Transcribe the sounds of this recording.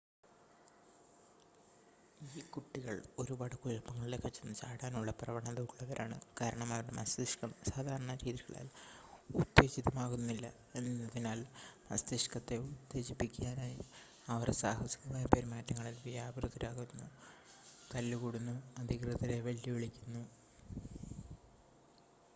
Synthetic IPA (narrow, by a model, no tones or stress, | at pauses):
iːkuʈːiɣɐɭo̞ɾubaːɽɐkuɻɐpːɐŋːɐɭilekːɐt͡ɕːɐnːɨt͡ɕaːɽaːnuɭːɐprɐʋɐɳɐðɐʋuɣɐɭːɐʋɐɾʔaːɳɨ̰kaːɾɐɳɐmɐʋɐɽemɐst̪iʂkɐmsaːd̪ʱaːɾɐɳɐɾiːðiɣɐɭa̰ːlud̪ːe̞ːɕit̪ɐmaːɣunːilːɐ | e̞nːiːɐðinaːlmɐ̰st̪iʂkɐt̪ːe̞ud̪ːe̞ːɕipːikʲːaːnaːji | ɐʋɐrsaːhɐsi̥kɐmaːjɐpeɾmaːtːɐŋːɐɭilʋijaːbɐrɨd̪ɐɾaːɣunːu | t̪ɐlːuɣuɽunːuɐd̪ʱikrɨðɐɾe̞ʋeɭjiʋiɭikʲːunːu